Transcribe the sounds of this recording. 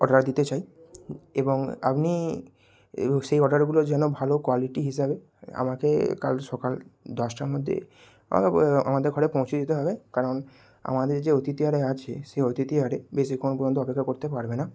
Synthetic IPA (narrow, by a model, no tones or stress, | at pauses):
ɔɖaɾd̪it̪et͡ɕaj | eboŋa̰pni | ʃejɔɖaɾɡulod͡ʑɛnobʱalokwaliʈiɦiʃ̬abe | a̰makekalʃɔkald̪ɔʃʈaɾmod̪ʱːḛ | a̰ma̰kea̰mad̪eɾkʰɔɽepɔ̃w̃t͡ɕʰid̪it̪eɦɔbekaɾon | a̰mad̪eɾd͡ʑeot̪it̪iaɾeat͡ɕʰeʃeot̪it̪iaɾebeʃikonpoɾd͡ʑont̪oɔpekʰːakoɾt̪epaɾbena